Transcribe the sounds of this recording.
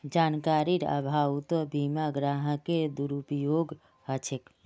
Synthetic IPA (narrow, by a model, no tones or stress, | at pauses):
d͡ʒankaɾiɾə̰bʱawt̪ɔbimaɡɾaɦəked̪uɾupjoɡ | ɦət͡ʃʰek